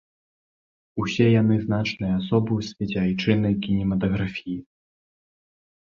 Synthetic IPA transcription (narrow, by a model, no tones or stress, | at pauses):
usʲɛjan̪ɨznat͡ʂnɨjɐasɔbɨwsʲvʲɛd͡zʲajt͡ʂɨnɐjkʲinʲɛmɐt̪ɐɣɾafʲiji